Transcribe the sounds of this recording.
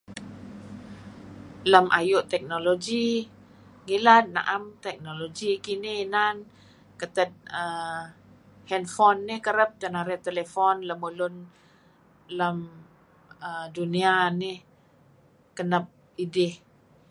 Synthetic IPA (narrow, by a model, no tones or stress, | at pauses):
ləmʔa̰jʊʔt̪ɛk̚noloɡi | ŋilat̪̚na̰ʔamt̪ɛk̚noloɡikinɪnan | kət̪ət̪̚ə | hɛnfɔnːɪhkəɾəp̚t̪ənaɾɛt̪elefɔnləmulʊn | ləm | ədunianɪh | kənəp̚ | idɪh